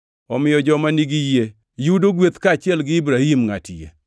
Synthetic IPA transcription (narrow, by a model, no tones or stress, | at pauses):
ɔmɪjɔd͡ʒɔmaniɡije | judoɡwet̪kaːt͡ʃɪɛlɡɪibɾahimŋa̰tḭjḛ